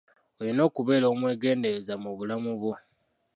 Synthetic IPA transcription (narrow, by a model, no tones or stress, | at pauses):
olino̞ːkuβe̞ːlo̞ːmwe̞ːɡe̞ːnde̞ɾezamuβulamuβwo